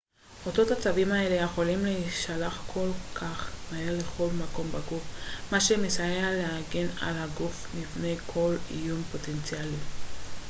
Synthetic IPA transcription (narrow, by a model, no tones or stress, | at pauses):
o̞to̞that͡savimae̞le̞jeχo̞limleʃalaχkʰo̞lkʰaχmaele̞χo̞lmako̞mbaɡufmaʃemesajealeaɡe̞na̰lhaɡufmifne̞jkʰo̞lḭjumpo̞tent͡sjali